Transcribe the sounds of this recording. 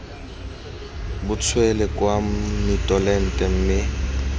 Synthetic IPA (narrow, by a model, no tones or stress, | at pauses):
bʊt͡sʰwɛlɛkʼwamitʼɔlɛn̩tʼɛm̩mɪ